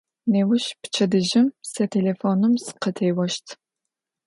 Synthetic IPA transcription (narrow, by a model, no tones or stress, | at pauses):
neːwʊʃpt͡ʃʰɐdɨʒɪmsɐtʰeːlefoːnɨmsɨ̥qətʰejwɐʃtʰ